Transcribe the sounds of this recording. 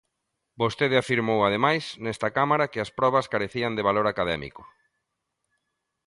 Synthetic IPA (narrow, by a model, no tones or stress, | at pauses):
bost̪eð̞ɪafiɾmowaðemajsnɛst̪akamaɾakɪɐspɾɔβ̞ɐskaɾeθiɐnd̪eβaloɾakaðɛ̰mḭkʊ̥